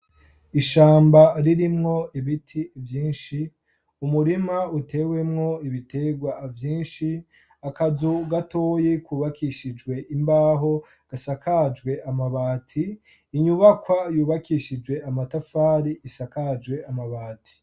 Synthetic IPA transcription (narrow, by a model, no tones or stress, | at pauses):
iʃaːmbaɾiɾimŋo̞iβitʰivjiːnʃi | umuɾimautʰe̞ːwe̞mŋo̞iβitʰe̞ɡwavjiːnʃi | akazuɡatoːjekuːβakiʃid͡ʒɡwe̞ʔimbaːɦo̞ | ɡ̥asakad͡ʒɡwe̞ʔamaβaːtʰiː | ɲuβakwajuːβakʰiʃid͡ʒwe̞amatafaːɾiʔisakad͡ʒɡwe̞amaβaːtʰi̥